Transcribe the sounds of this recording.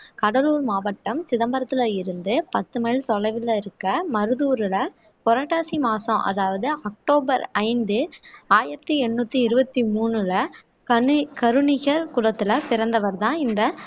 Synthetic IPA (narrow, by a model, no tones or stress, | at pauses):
kɐɽɐluːɾmaːʋɐʈːɐmsɪðɐmbɐɾɐt̪ːɯlɐɪɾɯnd̪ɯpɐt̪ːɯmɐɻt̪ɔɻɐɪʋɪlɐɪɾɯkːɐmɐɾɯðuːɾɯlɐ | pɔɾaːʈːaːsimaːsɐ̃ʔɐ̰ðaːʋɐðɯɐk̚ʈoːbɐɾɐɪnd̪ɯaːjɪɾɐt̪ːiɛɳːuːt̪ːiɪɾɯbɐt̪ːimuːnɯlɐ | kɐkɐɾɯɳɪɣɐɾkʊɽɐt̪ːɯlɐpɪɾɐnd̪ɐʋɐɾt̪ãːɪnd̪ɐ